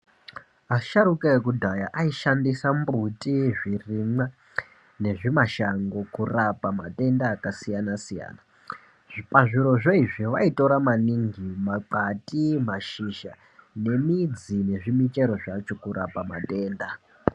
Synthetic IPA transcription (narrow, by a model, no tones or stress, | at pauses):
aʃaɾukeekudʱajaʔaiʃandisambutʼiʐirimwa | ne̞ʐimaʃaŋɡo̞kurapamatʼe̞ndaːkasijanasija̰ːna | paʐiɾo̞ʐoiʐiʋaito̞ɾamaniŋɡimaǃatimaʃiʒa | ne̞mid͡zine̞ʐimit͡ʃe̞ɾo̞ʐat͡ʃo̞kuɾapama̰tʼe̞ːnda